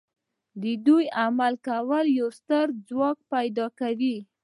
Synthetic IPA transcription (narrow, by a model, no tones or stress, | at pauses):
d̪əd̪ujamalkawəljawst̪əɾd͡zwɑk̚pajd̪ɑkawi